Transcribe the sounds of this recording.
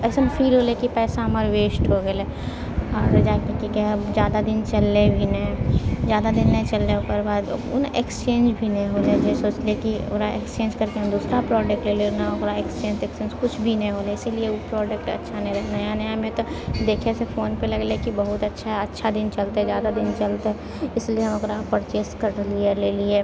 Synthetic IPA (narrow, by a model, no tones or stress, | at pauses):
ɛːsempʰiːlɦoːlekipɛːsaɦɐməɾweːsʈɦoɡelɛ | ɔːɾd͡ʒaːkekikezjaːd̪ad̪ɪnt͡ʃɐlːebʱinzjaːd̪ad̪ɪnːɐĩt͡ʃɐlːeopəɾbaːd̪̰nʔekst͡ʃẽːnd͡ʒbʱinɐĩɦoːled͡ʒesoːt͡ʃlekio̰ːɾaḛkst͡ʃẽːnd͡ʒkɐɾkeɦɐ̃md̪uːsɾapɾɔːɖək̚ʈlelenaoɡɾaekst͡ʃẽːntekst͡ʃẽːnd͡ʒkʊt͡ʃʰbʱinɐĩɦoːleɪsiliepɾɔːɖəkʈɐ̰tːʃʰanɐɦĩɾɐɦnaɐɦjanɐjmẽt̪od̪eːkʰesefoːnpelɐɡlekibɐɦʊt̪ɐtːʃʰaɐtːʃʰad̪ɪnt͡ʃɐlt̪ɦɛzjaːd̪ad̪ɪnt͡ʃɐlt̪ɦɛ | ɪslieɦɐmoɡɾapəɾt͡ʃeːskəɾlieleːlie